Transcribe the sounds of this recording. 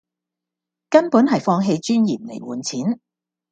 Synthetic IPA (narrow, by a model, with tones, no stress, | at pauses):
kɐ˥npuː˨˥nɦɐ˨jfɔː˧ŋɦe˧jt͡ʃyː˥njiː˨˩mlḛ˨˩jwuː˨˩nt͡sʰiː˨˥n